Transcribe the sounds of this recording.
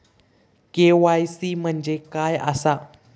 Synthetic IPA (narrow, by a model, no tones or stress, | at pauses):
keʋajsiːm̤əɳd͡ʑekajə̰sa